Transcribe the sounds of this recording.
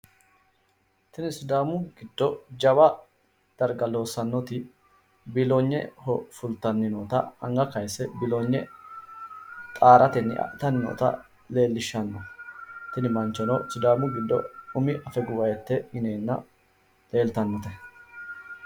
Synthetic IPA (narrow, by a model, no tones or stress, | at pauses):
t̪ɪnɪsʊd̪aːmʊɡ̥ɪd̪̥ːɔd͡ʒɐbɐ | d̪̥ɐɾɡɐlo̞ːsɐnːɔt̪ɪ | bɪloɲːɛ̰hɔfʊlt̪ɐnːɪnoːt̪ɐ̰ɐŋɡɐkɐjsːɛbɪloɲːɛ | t̪ʼaːɾʔɐt̪ɛnːɪ̰ɐ̰ʔt̪ɐnːɪno̰ːt̪ɐ̰ | le̞ːlːɪʃːɐnːɐt̪ɪnɪmɐnt͡ʃːɔnɔsʊd̪aːmʊɡɪd̪ːɔ̰ʊmɪʔɐfɛɡʊwɐjɛt̪ːɛɪneːnːɐ̰ | le̞ːlt̪ɐnːɔt̪ɛ